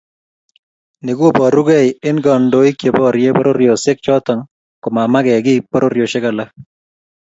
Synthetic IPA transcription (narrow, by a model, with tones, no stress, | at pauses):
ne˨ɡwo˦bɔ˨ɾu˦ɡɛ˦jɪ˦nɡɔ˨ndo˨i˦kje˨bɔ˦ɾje˦bɔ˦ɾo˦ɾjo˨sɪ˦k̚t͡ʃɔ˦tɔ˨ŋ | kʊ˨ma˨ma˦ɡɛ˨ɡɪ˦pɔ˦ɾʔo˦ɾjo˨ʃɪ˦ka˨la˦